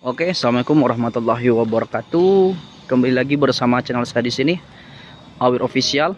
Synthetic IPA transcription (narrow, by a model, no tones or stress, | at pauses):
okesaamalikʊmɾɑhmat̪ulːaɦiwabaɾakat̪u | kəmbalilaɡibərsamat͡ʃənalsadisini | awiɾʔofisial